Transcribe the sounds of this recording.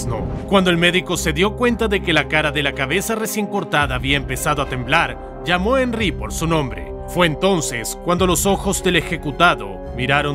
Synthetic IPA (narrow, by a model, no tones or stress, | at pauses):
no̰kwand̪o̞e̞lme̞ðiko̞se̞ðjo̞kwe̞nt̪aðe̞ke̞lakaɾaðe̞lakaβe̞sare̞sje̞ŋko̞ɾt̪aðaːβiaempe̞saðoat̪e̞mblaɾ | d͡ʒamo̞enripo̞ɾsunõ̞mbɾe̞̰ | fwe̞ːnt̪o̞nse̞skwand̪o̞lo̞so̞xo̞zðe̞le̞xe̞kut̪aðo̞̰ | miɾaɾo̞